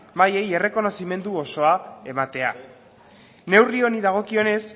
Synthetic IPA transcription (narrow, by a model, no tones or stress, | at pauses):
baje̞je̞re̞ko̞no̞sime̞nd̪uoso̞ae̞mat̪e̞a̰ | ne̞wrio̞niðaɣ̞o̞kio̞ne̞s